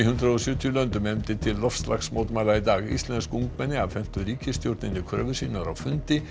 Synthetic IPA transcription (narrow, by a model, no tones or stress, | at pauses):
ɦʏnd̪ɾaɔsjʏːt̪ʰjʏlœnt̪ʏmɛmt̪ɪt̪ʰɪlːɔft̪sla̰ksmoːt̪maːjlait̪aːɣḭst̪lɛnskuŋkmɛnːɪavfɛm̥t̪ʏɾiːcɪst̪jowɾt̪nɪnːɪkʰɾœ̰ːvʏ̥siːnaɾawfʏnt̪ɪ